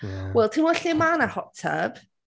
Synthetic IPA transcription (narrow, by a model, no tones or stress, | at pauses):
wɛlˠtʰinwɔɬimanahɔtʰə̰b̥